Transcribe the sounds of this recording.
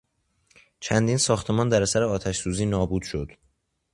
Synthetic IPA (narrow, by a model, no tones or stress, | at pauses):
t͡ʃʰænd̪iːnsɒːxt̪ʰe̞mɒːnd̪æɾæsæɾeɒːt̪ʰæʃsuːziːnɒːbuːd̪̥ʃo̞d̪̥